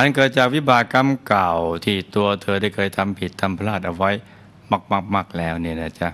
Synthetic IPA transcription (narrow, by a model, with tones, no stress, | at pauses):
ʔa˧nkɤː˨˩t̪̚t͡ɕaː˨˩k̚wi˦˥baː˨˩ka˧mka˨˩wt̪ʰiː˥˩t̪u˧ɐt̪ʰɤː˧daː˥˩jkʰɤː˧jt̪ʰa˧mpʰi˨˩t̪ʰːa˧mpʰa˧laː˥˩t̪̚ʔa˧wa˦˥j | ma˧˩k̚ma˧˩k̚maː˧˩k̚lɛː˦˥wni˥˩ɐna˦˧˥t͡ɕa˦˧˥